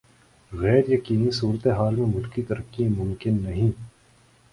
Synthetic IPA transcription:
ɣɛːɾjɐkiːnisuːɾət̪eɦaːlmẽmʊlkit̪ɐɾəkːijẽmʊ̃mkɪnːɐɦĩː

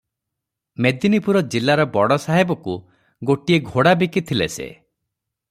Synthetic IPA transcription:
med̪inipuɾɔd͡ʒilaɾɔbɔɽɔsaɦebɔku | ɡoʈieɡʱoɽabikit̪ʰilḛsḛ

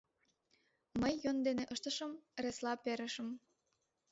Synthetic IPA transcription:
məjːond̪eneʔəʃt̪ə̆ʃəmreslɑpeɾə̆ʃə̆m

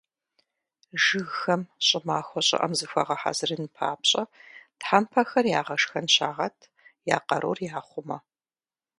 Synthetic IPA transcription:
ʒɨɣxɐmɕʼɪmaːxʷɔɕʼɪ̰ʔɐ̰mzɨfʷɐ̰ʁɐħa̰ːzɨrɨnpʰa̰ːpɕʼɐtħampʰɐxɐrjaːʁɐʂxɐnɕaːʁɐtʰ | ja̰ːqɐɾʔoːrjaːχʷʊmɐ

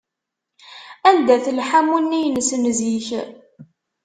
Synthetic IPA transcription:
ænd̪æθəlħamunːijnəsnziç

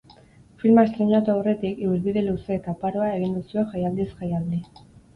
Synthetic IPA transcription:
filmaest̪ɾeɲat̪uawre̞t̪ikiuɾβiðeluse̞ːt̪apaɾoae̞ɣ̞ind̪usieʝajald̪isxajald̪i

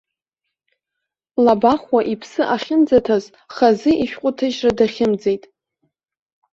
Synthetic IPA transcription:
labaχwaʔipʰsɨʔaχʲɪnd͡zatʰaz | χazɨʔiʃᶣqʷʼʊtʰɨʒradaχʲɪmd͡ze̞jtʼ

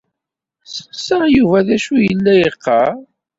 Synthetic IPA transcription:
sə̥qsəjuvæðæʃujəlːæjəqːɑ

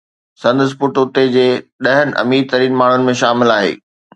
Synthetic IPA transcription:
sɐ̃nd̪əs̬pʊʈʊt̪ed͡ʑeːɗɐɦənɪ̆ʔɐ̰miːɾt̪ɐɾiːnmaːɳ̤ʊnɪ̆mẽʃaːmɪlaːɦḛː

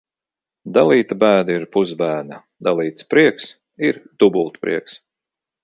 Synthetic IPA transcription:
d̪alˠiːt̪abæːd̪aiɾpuzbæːna | d̪alˠiːt̪spɾiɛks | iɾd̪ubulˠt̪pɾḭɛks

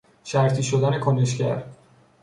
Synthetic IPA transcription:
ʃæɾt̪ʰiːʃod̪æne̞kʰoneʃcæ̰ɾ

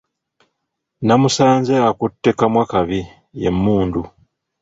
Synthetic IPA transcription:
namusaːnzeakutːe̞kamwakaβi | jḛmːuːndu

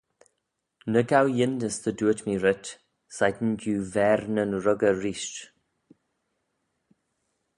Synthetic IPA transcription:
nəɡawjɪndəsðəduətʰmiɹɪt | sajd̪n̩duːvɛɾnənɹəɡəɹiːʃt

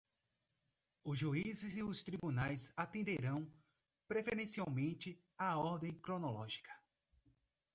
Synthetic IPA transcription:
ʊzʒuizɪziʊst̪ɾibunajzat̪ẽnd̪eɾɐ̃w̃ | pɾefeɾẽsiawmẽnt͡ʃɪ | aɔɾd̪ẽj̃kɾonolɔʒi̥kʰɐ̥

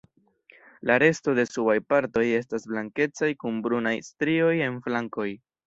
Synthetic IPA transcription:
laɾe̞sto̞de̞subajpaɾto̞je̞s̬tasblaŋke̞t͡sajkunbɾunajstɾio̞je̞nflaŋko̞j

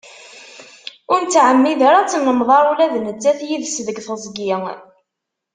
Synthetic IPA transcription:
ʊɾnt͡s̪ːʕəmːiðaɾat͡sːnːəmðˤɑɾˤulæðnət͡sːæθjiðsðəɡθəzˤɡi

